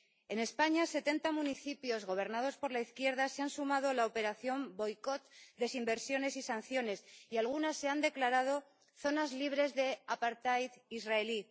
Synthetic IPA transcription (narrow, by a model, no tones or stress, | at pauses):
e̞ne̞spaɲase̞t̪e̞nt̪amuniθipjo̞zɣo̞β̞e̞ɾnað̞o̞spo̞ɾlaiθkje̞ɾð̞ase̞ansumað̞o̞laope̞ɾaθjo̞mbo̞jko̞t̪d̪e̞simbe̞ɾsjo̞ne̞sisan̟θjo̞ne̞sialɣunasːe̞and̪e̞klaɾað̞o̞ | θo̞nazliβ̞ɾe̞zðe̞apaɾt̪ajizraeli